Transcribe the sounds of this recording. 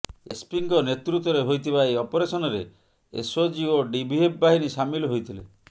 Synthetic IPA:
ḛspiŋkɔnet̪ɾut̪ːɔɾeɦojt̪ʰibaeɔpɔɾesɔnɔɾe | ḛsod͡ʒioɖibʱiep̚ʰbaɦinisamilɔɦojt̪ʰilḛ

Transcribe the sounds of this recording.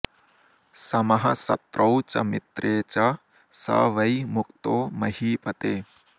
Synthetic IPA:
sɐmɐɦɐsɐ̰t̪ɾʔɐwt͡ʃɐmit̪ɾʔeːt͡ʃɐ | sɐ̰ʋɐjmukt̪oːmɐɦiːpɐt̪eː

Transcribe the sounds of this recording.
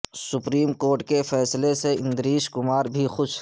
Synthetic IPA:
sʊpɾiːmkoːɾʈkefɛːsleseɪ̃nd̪ɾiːʃkʊmaːɾbʱixʊʃ

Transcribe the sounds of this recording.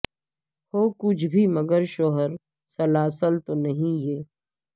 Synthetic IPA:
hoːkʊt͡ʃʰbʱimɐɡəɾʃoːɦəɾ | sɐlaːsəlt̪onɐɦĩjeː

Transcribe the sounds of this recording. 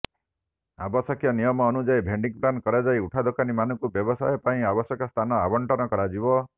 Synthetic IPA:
a̰bɔsɔkʰjɔnijɔmɔːnud͡ʒajbʱeɳɖiŋpɾankɔɾad͡ʒajuʈʰad̪okanimanɔ̃ŋkubjɔbɔsajɔpaĩabɔsjɔkɔst̪ʰanɔabɔɳʈɔnɔkɔɾad͡ʒibɔ

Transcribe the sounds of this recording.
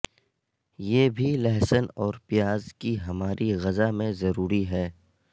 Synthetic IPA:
jeːbʱilɛɦsənɔːɾpɪjaːzkiɦɐmaːɾʔiɣɐzamẽzɐɾuːɾiɦɛː

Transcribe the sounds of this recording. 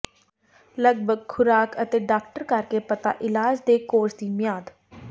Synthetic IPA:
ləɡbʱəɡ̚kʰʊɾaːkət̪eːɖaːk̚ʈəɾkəɾkeːpət̪a̰ːʔɪlaːd͡ʒd̪eːkoːɾsd̪iːmɪjaːd̪

